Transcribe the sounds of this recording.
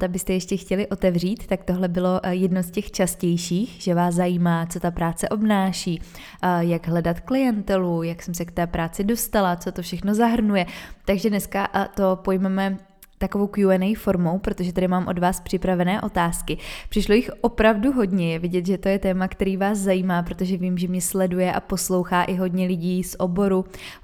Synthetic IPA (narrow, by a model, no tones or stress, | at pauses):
t̪abɪst̪ɛjɛʃcɛxcɛlɪʔo̞t̪ɛvr̝iːt̪ːakt̪o̞ɦlɛbɪlo̞jɛdnoscɛxt͡ʃascɛjʃiːxʒ̥ɛvaːszajiːmaːt͡so̞t̪apɾaːt͡sɛʔo̞bnaːʃiː | jaɡɦlɛdat̪klɪjɛnt̪ɛlujaksɛmsɛkt̪ɛːpɾaːt͡sɪdo̞st̪alat͡so̞t̪o̞fʃɛxno̞zaɦr̩nujɛt̪aɡʒɛdnɛskat̪o̞po̞jmɛmɛ | t̪akovo̞wkjuɛnɛjifo̞ɾmo̞wpɾo̞t̪o̞ʒɛt̪adɪmaːmʔo̞dvaːspr̝̥ɪpɾavɛnɛːʔo̞t̪aːskɪpr̥ɪʃlo̞jɪxʔo̞pɾavduɦo̞dɲɛjɛvɪɟɛt̪ʒɛt̪o̞jɛt̪ɛːmakt̪ɛɾiːvaːszajiːmaːpɾo̞t̪o̞ʒɛviːmʒɛmɲɛslɛdujɛʔa̰po̞slo̞wxaːʔɪɦo̞dɲɛlɪɟiːsʔo̞bo̞ɾu